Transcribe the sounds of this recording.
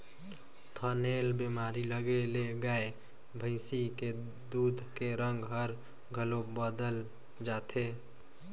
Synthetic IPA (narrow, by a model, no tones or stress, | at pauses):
t̪ʰənelbemaːɾiləɡeleɡae | bʱə̃ɪsike | d̪uːd̪ʱkeɾə̃ŋɡɦəɾ | ɡʱəlobəd̪əl | d͡ʒat̪ʰe